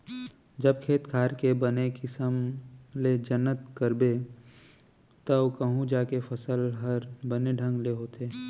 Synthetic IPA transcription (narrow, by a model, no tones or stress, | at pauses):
d͡ʒɐb̚kʰeːt̪kʰaːɾkebənekɪsəmled͡ʒənːət̪kəɾbe | t̪ɐwkəɦũd͡ʒaːkefʰɐsəlɦəɾbəneɖʱə̃ŋɡleɦoːt̪eː